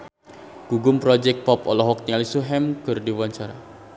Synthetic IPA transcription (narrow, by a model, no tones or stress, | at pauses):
ɡ̥uɡʊmpɾɔd͡ʒɛk̚t̪̚pɔpɔlɔɦɔk̚t̪ialisuɦɛmkərdiwaɲt͡ʃaɾa